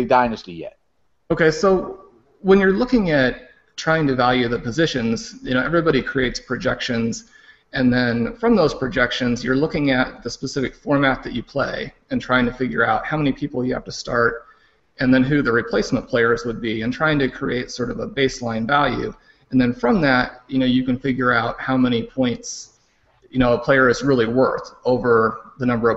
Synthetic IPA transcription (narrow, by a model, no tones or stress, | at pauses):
daɪnɨstijɛ̰t̚ | oʊkʰeɪsoʊ | wə̃njə˞lʊkɪ̃ŋɨt | tʰɹ̥aɪɪ̃ŋtɨvælˠjʉðɨpɨzɪʃɨ̃nz̥jɨnoʊʔɛvɹibɑɾikʰɹ̥ieɪtspʰɹ̥ɨd͡ʒɛkʃɨ̃nz̥ | ɨ̃nðɨ̃nfɹʌ̃mðoʊz̥pʰɹ̥ɨd͡ʒɛkʃɨ̃nzjə˞lʊkɪ̃ŋɨt̪̚ðɨspəsɪfɨkfɔɹmæt̪̚ðɨt͡ʃɨpʰl̥ḛɪ | ɨ̃ntʰɹ̥aɪɪ̃ŋtʰɨfɪɡjə̰˞aʊt̚haʊmɛnipʰipl̩ˠjɨhæ̰ftʰɨstɑɹɾ | ʔɨ̃nðɨ̃nɦʉðɨɹipʰl̥eɪsmə̃npʰl̥eɪə˞zwəd̚biɨ̃ntʰɹ̥aɪɪ̃ŋtɨkʰɹ̥ieɪtsɔɹɾʌvəbeɪslãɪ̃nvælˠjʉ̰ | ɨ̃nðɨ̃nfɹʌ̃mðæt̚jɨñoʊjɨkɨ̃nfɪɡjə˞aʊt̚haʊmɛñipʰɔ̃ɪ̃nts | jɨñoʊəpʰl̥eɪə˞ɨzɹɪlˠiwɜ˞θoʊvə˞ðɨnʌ̃mbə˞ʌ